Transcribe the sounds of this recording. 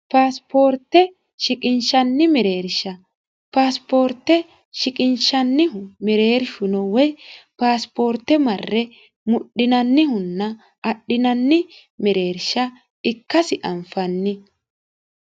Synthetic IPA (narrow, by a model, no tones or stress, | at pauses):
paːspʰo̞ːɾt̪ːɛ | ʃɪkʼɪnʃɐnːɪmɛɾe̞ːɾʃɐ | paːspo̞ːɾt̪ːɛ | ʃɪkʼɪnʃɐnːɪɦʊmɛɾeːɾʃʊnɔwɛjpaːspo̞ːɾt̪ːɛmɐrːɛ | mʊɗːɪnɐnːɪhʊnːɐ | ɐɗːɪnɐnːɪ | mɛɾe̞ːɾʃɐ | ɪkːɐsɪʔɐɱfɐnːɪ